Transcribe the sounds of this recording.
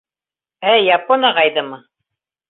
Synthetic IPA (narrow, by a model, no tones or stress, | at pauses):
æjɑponɑʁɑjðɤmɤ